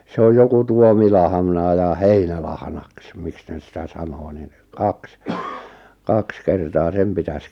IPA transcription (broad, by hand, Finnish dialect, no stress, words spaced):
se oj joku tuomilɑhɑ̆nɑˑ jɑ heinælɑhnɑks miks neˑs̆ sĭtæ sɑnoː nin kɑks kɑks kertɑː sem pitæs